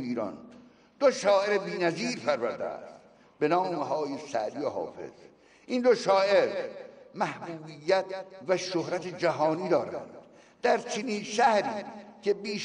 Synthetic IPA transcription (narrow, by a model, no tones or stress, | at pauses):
iːɾɒ̰n | d̪̥oʃɒːʔeɾebiːnæziːɾpʰæɾvæɾd̪ḛæ̰st̪ | benɒːmeɦɒːjesæ̰ʔd̪iːoɦɒ̰ːfe̞̰z̥ | ʔiːnd̪oʃɒːʔeɾmæhbuːbijːæt̪ʰvæʃohɾæt̪ʰed͡ʒæɦɒːniːd̪ɒːɾæ̰nd̪̥ | d̪̥æɾt͡ʃʰeniːnʃæhɾiːcʰe̞biːʃ